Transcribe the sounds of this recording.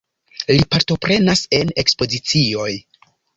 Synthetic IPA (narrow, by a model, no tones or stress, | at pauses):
lipaɾto̞pɾe̞nase̞ne̞kspo̞zit͡sio̞j